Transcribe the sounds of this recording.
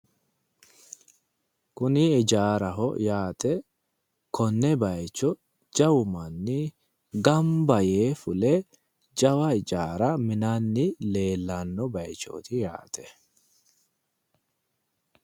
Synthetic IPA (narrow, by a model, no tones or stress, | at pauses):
kʊnɪɪd͡ʒaːɾɐɦɔ̰jaːt̪ɛ | kʰɔnːɛbɐjt͡ʃːɔ | d͡ʒɐwʊmɐnːɪ | ɡɐmbɐjeːfʊlɛ | d͡ʒɐwɐɪd͡ʒaːɾɐmɪnanːɪle̞ːlːanːɔbɐjt͡ʃːo̰ːt̪ɪja̰ːt̪ɛ